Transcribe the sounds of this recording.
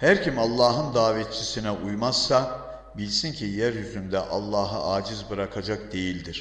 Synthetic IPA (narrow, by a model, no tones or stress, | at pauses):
hæɾcʰimalˠːaːɦɯnd̪aːvɛt̪̚t͡ʃʰisinɛʔujmaz̥ːa | bilʲsincʰijæɾjyzynd̪ɛʔalˠːaːɦaaːd͡ʒizbɯɾakʰad͡ʒak̚d̪e̞jilʲd̪iɾ̥